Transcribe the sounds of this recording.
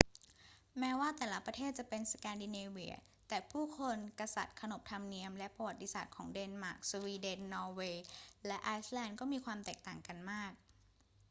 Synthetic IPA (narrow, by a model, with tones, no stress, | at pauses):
mɛː˦˥waː˥˩t̪ɛː˨˩la˦˥pɾa˧t̪ʰeː˥˩t̪̚t͡ɕa˨˩pe˧nskɛː˧ndi˧neː˧wḭ˧˨˩ | t̪ɛː˨˩pʰuː˥˩kʰo˧nka˧sa̰˨˩t̪̚kʰa˧no˨˩p̚t̪ʰa˧mni˧əmlɛ˦˥pɾa˧wa˨˩t̪ːi˧saː˨˩t̪̚kʰɔː˩˦ŋdeː˧nmaː˨˩k̚su˧wiː˧de˧nːɔː˧weː˧lɛ˦˥ʔaː˧˥jslɛː˧ndkɔː˥˩miː˧kʰwaː˧mt̪ɛː˨˩k̚t̪aː˨˩ŋka˧nmaː˥˩k̚